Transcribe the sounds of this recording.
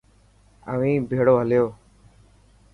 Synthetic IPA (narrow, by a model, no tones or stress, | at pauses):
ə̰ʋĩːbʱeːɽoːɦəljoː